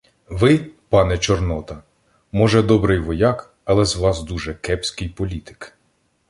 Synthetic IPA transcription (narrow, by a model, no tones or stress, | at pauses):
ʋɪpɑnɛt͡ʃɔrnɔt̪ɐ | mɔʒɛd̪ɔbɾɪjʋɔjɑk | ɐlˠɛzʋɑsd̪uʒɛkɛpsʲkɪjpɔlʲit̪ɪ̥k